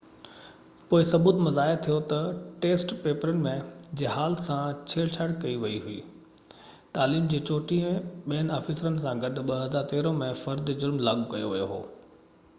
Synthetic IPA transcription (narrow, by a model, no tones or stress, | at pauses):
poːɪsɐbuːt̪mɐzaːɪɾt̪ʰijot̪ɐʈeːsʈpeːpəɾənɪ̆mẽd͡ʑeːɦaːlsãt͡ɕʰeːɽt͡ɕʰaːɽkɐiʋɐiɦuiː | t̪aːliːmd͡ʑeːt͡ɕoːʈiẽɓiənaːfɪsɾənɪ̆sãɡɐɗɓɐɦɐzaːɾt̪eːɾõmẽfɐɾd̪d͡ʑʊlmlaɡkɐ̰jo̰ʋijo̰ɦo̰ː